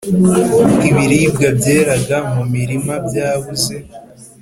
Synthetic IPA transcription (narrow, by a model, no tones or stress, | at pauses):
bɡiβiɾibɡabɟe̞ːɾaɡamumiɾimabjaːβuze̞